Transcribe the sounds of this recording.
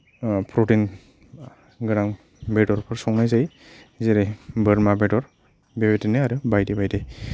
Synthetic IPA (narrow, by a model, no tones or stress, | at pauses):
pʰɾotin | ɡɯɾaŋ | bedɔɾpʰɯɾsɔŋnajzaj | zeɾejbəɾmabedɔɾ | bebetinɯaɾɯbajdebajdej